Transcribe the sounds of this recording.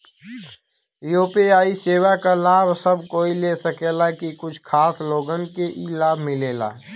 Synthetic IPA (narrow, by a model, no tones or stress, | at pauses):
joːpeaːiseːwakalaːbʱsəb̚koːileːsəkeːlakikʊt͡ʃʰkʰaːsloːɡənkeʔilaːbʱmɪleːla̰ː